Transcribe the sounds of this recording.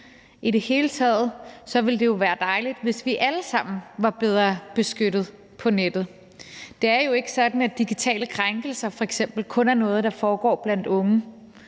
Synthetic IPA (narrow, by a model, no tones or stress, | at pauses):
ʔiɾe̝he̝ːlət͡sʰɛ̰ːð̩ˠsɒ̽ʋe̝ld̥e̝jo̝ʋæːɐd̥ɑ̈ɪlid̥ʋe̝sʋiʔæləsɑ̈m̰n̩ʋɑ̈b̥eð̞ˠʁɐb̥e̝sɡ̥øɾ̥ð̞̩ˠ | pʰɒ̽ned̥ð̩ˠ | d̥e̝æɐjo̝e̝ɡ̥ə̥sɒ̽d̥n̩æd̥iɡ̥it͡sʰɛ̰ːləkʰʁaŋɡ̥l̩sɐfɒ̽eɡ̥sem̰b̥l̩kʰɔ̽næɐnɔ̽ːð̞̩ˠd̥ɑ̈fɒːɡ̥ɒ̰ːb̥læn̰d̥ɔ̽ŋə